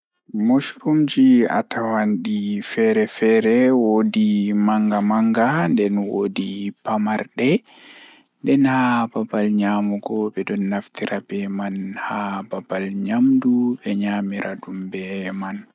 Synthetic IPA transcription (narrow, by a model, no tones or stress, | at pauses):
moʃɾumd͡ʒia̰tʰawanɗifɛɾɛfɛɾɛwodimaŋɡamaŋɡandɛnwodipamaɾɗɛ | ndɛnhababalɲaːmuɡɔbɛdɔnːaftʰiɾabɛmanhababalɲamdubɛɲamiɾaɗumbɛman